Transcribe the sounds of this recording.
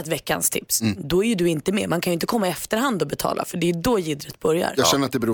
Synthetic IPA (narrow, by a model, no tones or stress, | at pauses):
ɛt̪vɛkːa̰nst̪ʰɪ̰psd̪ɔæɾjɵdɵɪnt̪əmḛːmankʰanjʏɪnt̪əkʰɔmːaɪɛft̪əɾɦand̪ɔbɛt̪ʰɑ̰ːla̰fœɖɛjʉd̪ɔjɪd̪ɾət̪̚bœɾja̰ɾjɑɡɕɛnːəɾat̪̚d̪ɛbɛɾuː